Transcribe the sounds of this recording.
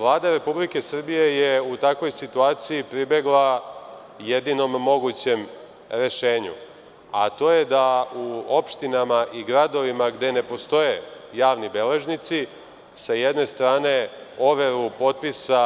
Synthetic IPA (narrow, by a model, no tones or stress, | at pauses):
ʋlˠaːd̪aɾe̞publike̞sr̩bije̞je̞ut̪akʋo̞jsit̪uaːt̪sijipɾibe̞ɡlˠa | jed̪ino̞mːo̞ɡut͡ɕe̞m | ɾe̞ʃe̞ːɲṵ | a̰t̪o̞ːje̞d̪auo̞pʃt̪inamaʔiɡɾad̪o̞ʋimaɡd̪e̞ne̞po̞st̪o̞jejaːʋnibe̞le̞ʒnit̪si | sajed̪ne̞st̪ɾaːne̞o̞ʋeɾupo̞t̪̚pisa